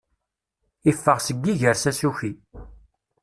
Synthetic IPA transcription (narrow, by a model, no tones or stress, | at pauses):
ifːəʁsəɡːiʝəɾsæsuçi